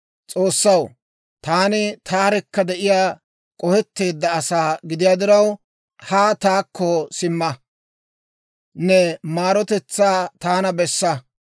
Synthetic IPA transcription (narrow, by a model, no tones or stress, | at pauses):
t͡sʼo̞ːsːɐw | t̪aːnɪt̪ʰaːɾɛkːɐd̪ɛʔɪjaː | kʼɔhɛt̪ːe̞ːd̪ːɐːsaːɡɪd̪ɪjaːd̪ɪɾɐw | haːt̪aːkːɔsɪmːɐ | nɛmaːɾɔt̪ɛt͡sːaːt̪aːnɐbɛsːɐ